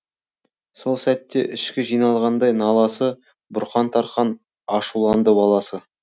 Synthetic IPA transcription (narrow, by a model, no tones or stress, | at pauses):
so̞lˠsæt̪ːe̞̰ʔɪʃkʲɪʒijnɑlˠʁɑnd̪ɑjnɑlˠɑsə | bʊɾχɑnt̪ʰɑɾχɑn | ɑʃulˠɑnd̪əbɑlˠɑsə